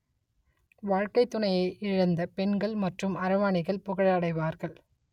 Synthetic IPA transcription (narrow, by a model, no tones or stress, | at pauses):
ʋaːɻkɐɪt̪ːʊɳɐjɐɪʔɪɻɐnd̪ɐpɛnɡɐɭmɐʈrɯmɐɾɐʋaːɳɪɣɐɭpʊɣɐɭɐɽɐɪʋaːɾɣɐɭ